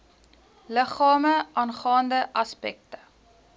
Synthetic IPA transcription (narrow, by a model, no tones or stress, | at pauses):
ləχɑːməʔɑːnχɑːndəʔɐspɛ̰k̚tə